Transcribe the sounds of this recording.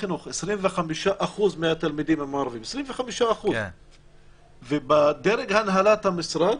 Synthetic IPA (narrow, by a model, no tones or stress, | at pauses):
inuxʔesɾiːnvexamiʃaʔaxuːzmeʔat̪almid̪iːmamaʕɾɑviːmesɾiːmvexamiʃaʔaxuz | vebad̪eɾeɡhanɦalat̪hamɪsɾɑd̪